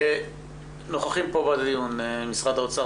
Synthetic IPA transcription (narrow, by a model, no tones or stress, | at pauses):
e | noχaχimpobad̪ad̪ijunemisʁad̪aot͡sa